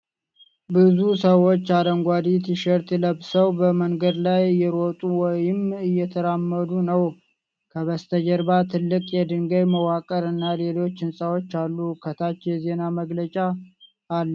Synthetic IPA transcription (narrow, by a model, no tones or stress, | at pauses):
bɨzusəwo̞t͡ʃːad̪əŋɡʷad̪it̪iʃəɾt̪ləbsəwbəməŋɡəd̪lajɨjːɛɾot̪ʼuwɔjɪmɨjːɛt̪ʰəɾamːəd̪unəw | kʰəβəst̪ʰəd͡ʒəɾbat̪ʰɨlːɨkʼjɛd̪ɨŋɡəjməwakʼəɾɨnːale̞lo̞t͡ʃːɪnsʼawo̞t͡ʃːalːuhkʰət̪ʰat͡ʃːjɛze̞naməɡlət͡ʃʼaː | lː